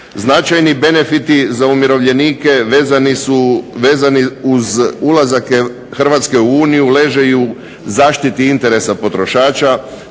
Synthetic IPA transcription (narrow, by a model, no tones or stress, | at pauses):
znat͡ʃajnibe̞ne̞fit̪izaumjiɾo̞ʋʎe̞niːke̞ʋeːzanisuʋeːzaniuzulazake | xrʋat̪ske̞uuːnijule̞ːʒe̞ju | zaːʃt̪it̪iint̪e̞ɾe̞sapo̞t̪ɾo̞ʃaːt͡ʃa